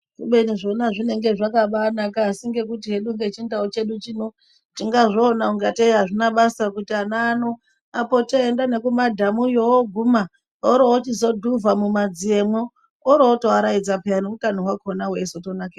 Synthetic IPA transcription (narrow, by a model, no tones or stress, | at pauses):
kuɓeniʐo̞naʐine̞ŋɡe̞ʐakaɓanakaːsiŋɡe̞k̬utiɦe̞ɗuŋɡet͡ʃindaot͡ʃe̞ɗut͡ʃino | tiŋɡaʐoːnauŋɡateiɦaʐinaɓasiakutianaːno̞ | apo̞toendane̞kumadʱamujowoɡʱuma | oɾoot͡ʃizo̞dʱuvamumad͡zie̞mo | oɾootoaɾaid͡zapeaniukanoɦwakonawesotonake